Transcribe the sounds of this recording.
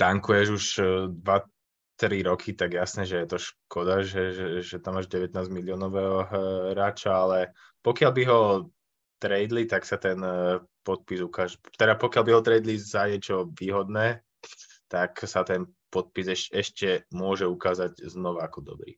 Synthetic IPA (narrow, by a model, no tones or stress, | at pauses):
t̪aŋkujɛʒuʃd̪ʋa | t̪ɾiɾɔkʰit̪aɡjasnɛːʒɛjɛt̪ɔʃkʰɔd̪aʒɛɛʒɛt̪amːaːʒɟɛʋɛt̪naːzmilɪɔːnɔʋɛːɦɔɦɾaːt͡ʃaalɛ | pɔkɪalbiɦɔ | t̪ɾɛjd̪lit̪aksat̪ɛn | pɔt̪̚pizukaːʒɛt̪ɛd̪apɔkjalbiɦɔt̪ɾɛjd̪lizaɲɛt͡ʃɔʋiːɦɔd̪nɛː | t̪aksat̪ɛn | pɔt̪̚pizɛʃɛʃcɛmʊɔʒɛukaːzaɟznɔʋaakɔd̪ɔ̰bɾḭː